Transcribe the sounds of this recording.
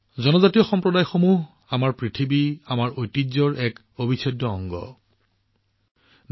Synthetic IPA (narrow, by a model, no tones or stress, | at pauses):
zɔnɔzatijɔxɔmpɹɔdajxomuɦ | amaɹpɹitʰibiamaɹojtizɔɹʔɛk | obʱisʰɔdɔɔŋɡɔ̰ | n